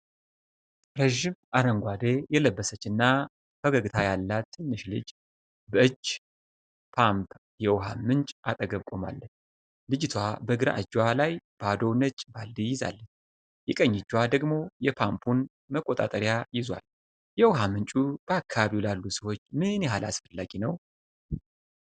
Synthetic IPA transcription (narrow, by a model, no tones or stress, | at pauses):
ɾəʒɪmaɾəŋɡʷad̪ejɛləbːəsət͡ʃːɨnːa | fəɡəɡɨt̪ʰajalːat̪ʰːɨnːɨʃlɨ̰d͡ʒ | bəʔɨd͡ʒ | pʰampʰ | jɛwɦamɨnt͡ʃʼʔat̪ʼəɡəβkʼo̞ma̰lːəɲ | lɨd͡ʒɪt̪ʰwabəɨɡɨɾa̰ʔɨd͡ʒːwalajb̥ad̪o̞nət͡ʃʼbald̪ijɪza̰lːəɲː | jɛkʼəɲːɪd͡ʒːwad̪əɡmo̞jɛpʰampʰun | məkʼːot̪ʼa̰t̪ʼəɾjajɪzwa̰l | jɛwhamɨnt͡ʃʼub̥əakʰːaβaβiwlalːusəwo̞t͡ʃːmɨnjɛɦala̰sfəlːaɡinəw